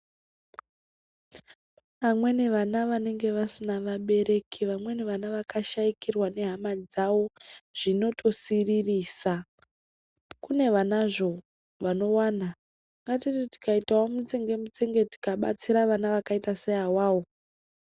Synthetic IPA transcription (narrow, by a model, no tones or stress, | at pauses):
ʋamwe̞ne̞ʋanaʋane̞ŋɡe̞ʋasinaʋaɓe̞ɾe̞kʰiʋamwe̞ne̞ʋanaʋakaʃaikirwane̞ɦamad͡zawo̞ʐ̥ino̞tʰo̞siririːsa | kune̞ʋanaʐo̞ | ʋano̞waːna | ŋɡatititi̥kaitaomut͡seŋɡemut͡seŋɡe̞ti̥kaɓa̰t͡siɾaʋanaʋakaitaseawaːwo̞